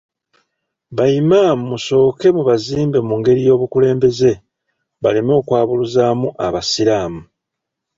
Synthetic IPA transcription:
βajimamuso̞ːke̞muβaziːmbe̞muŋɡe̞ɾijo̞ːβukule̞ːmbe̞ze̞ | βalemo̞ːkwaːβuluzaːmuʔa̰βasiɾaːmu

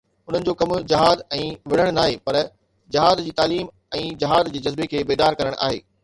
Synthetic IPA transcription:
ʊn̤ənɪ̆d͡ʑoːkɐmd͡ʑɐɦaːd̪ɛ̃ːʋɪɽ̤əɽ̃naːɦeːpɐɾ | d͡ʑɐɦaːd̪d͡ʑiːt̪aːliːm | ɛ̃ːd͡ʑɐɦaːd̪d͡ʑeːd͡ʑɐzbekʰeːbeːd̪aːɾkɐɾəɽ̃ʔa̰ːɦeː

